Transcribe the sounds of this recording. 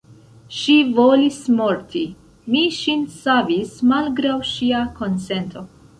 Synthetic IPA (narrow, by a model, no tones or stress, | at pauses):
ʃivo̞lismoɾtʰi | miʃinsavismalɡɾawʃiako̞nse̞ntʰo̞